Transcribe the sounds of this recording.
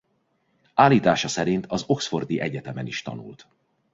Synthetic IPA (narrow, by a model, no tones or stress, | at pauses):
aːlːiːt̪aːʃɒsɛɾint̪ʰɒzo̞ksfo̞rd̪iʔɛɟɛt̪ɛmɛniʃt̪ɒ̰nṵlt̪